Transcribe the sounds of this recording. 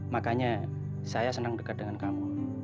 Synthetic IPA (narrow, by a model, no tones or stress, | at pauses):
makaɲa | sajasənaŋdəkat̪̚dəŋankamu